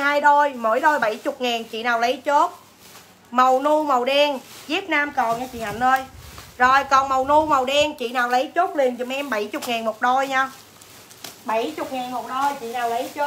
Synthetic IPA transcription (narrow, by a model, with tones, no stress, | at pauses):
haː˧jɗo˧jmoː˨˧˦jɗo˧jɓa˧˩jt͡ɕʊ˨˩k͡p̚ŋaː˨˩ŋt͡ɕḭ˧˨naː˨˩wlə˨˦jt͡ɕo˦˥t̚ | mə˨˩wnu˧mə˨˩wɗɛ˧ŋzi˦˥ət̚naː˧mkɔ˨˩ŋaː˧t͡ɕḭ˧˨ha̰˧˩n̟ʔəː˧jzo˨˩jkɔ˨˩nmə˨˩wnu˧mə˨˩wɗɛ˧ŋt͡ɕḭ˧˨naː˨˩wlə˨˦jt͡ɕo˦˥t̚li˨˩ənt͡ɕɨ˨˩mʔɛ˧mɓə˧˩˦jt͡ɕʊ˨˩k͡p̚ŋaː˨˩ŋmo˨˩t̚ɗo˧jɲaː˧ | ɓə˧˩jt͡ɕʊ˨˩k͡p̚ŋaː˨˩ŋmo˨˩t̚ɗo˧jt͡ɕḭ˧˨naː˨˩wlə˨˦jt͡ɕo˦˥